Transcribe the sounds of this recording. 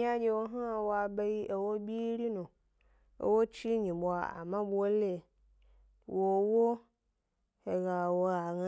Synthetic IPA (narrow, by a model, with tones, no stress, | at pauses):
a˦d͡ʒe˦wo˦ɦã˦a˨wo˦a˨be˦ji˦ʔe˨wo˦bi˦ɾi˦nũ˨ | ḛ˦wo˦t͡ʃi˦ɲĩ˨bo˨a̰˨a̰˨mã˦bu˦o˦le˦˨ | wo˨wo˦ | he˨ɣa˨wo˦a˨ŋã˦